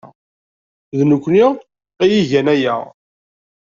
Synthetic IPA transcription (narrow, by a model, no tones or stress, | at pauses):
ðnukʷːniʁ | æjiʝænæjæ̰